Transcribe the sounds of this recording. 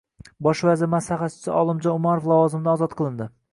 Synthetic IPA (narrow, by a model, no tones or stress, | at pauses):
bɒʃvazɪɾmaslaχat͡ʃʰɪ̥sɪʔɒlˠɪmd͡ʒɒnʊmaɾoflˠavɒzɪmɪd̪aɒːzɒt̪̚qʰɨlˠɪnd̪ɪ